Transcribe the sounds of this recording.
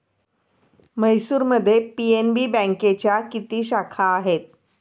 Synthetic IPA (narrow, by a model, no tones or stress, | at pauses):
məjsuːɾməd̪ʱːjepienbiːbə̃ŋket͡ɕjakit̪iːɕakʰaːɦet̪̚